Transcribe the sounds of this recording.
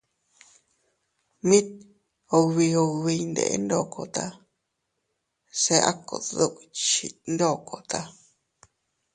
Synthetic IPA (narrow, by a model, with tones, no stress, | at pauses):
mĩ˦t̪̚ | o˧βi˧o˧βi˧nd̪ḛ˧˨ʔḛ˦nd̪o˦˨kʰo˨t̪a˧ | se˧ʔa̰˦ko̰˨ðo˦˧ʔt͡ʃi˧nd̪o˦˨ko˨t̪a˦˧